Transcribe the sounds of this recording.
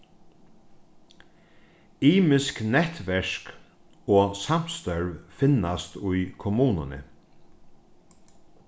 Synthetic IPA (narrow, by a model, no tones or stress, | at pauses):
iːmɪsknɛht̪ʋɛʂk | oːsam̥st̪œɹʋfɪnːast̪ʊjkʰɔmuːnʊnɪ̰